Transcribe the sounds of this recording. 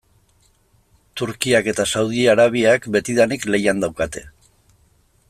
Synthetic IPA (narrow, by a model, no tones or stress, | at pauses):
t̪uɾkiake̞t̪asawð̞iaɾaβ̞iakbe̞t̪iðanikle̞jand̪awkat̪e̞